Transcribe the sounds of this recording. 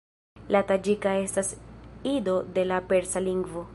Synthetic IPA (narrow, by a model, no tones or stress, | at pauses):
latad͡ʒikae̞stasido̞de̞lape̞ɾsaliŋɡvo̞